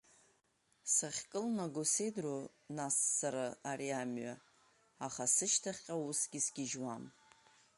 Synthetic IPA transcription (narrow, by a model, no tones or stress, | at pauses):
saχʲkʼɨlnaɡose̞jdro | nasːaɾaaɾiamɥa | aχasɨʃtʰaχʲqʲʼausɡʲisɡʲɪʒwam